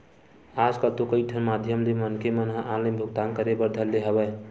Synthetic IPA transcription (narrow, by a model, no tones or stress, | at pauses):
ad͡ʒkət̪okəiʈʰənmad̪ʱjəmlemənkemənɦãʔaləmbʱuɡ̚t̪aŋkəɾebəɾd̪ʱəlːeɦəbə